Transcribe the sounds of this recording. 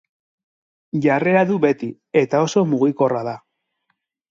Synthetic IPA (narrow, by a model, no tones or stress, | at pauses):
ʝare̞ɾaðuβe̞t̪i | e̞t̪ao̞so̞muɣiko̞raða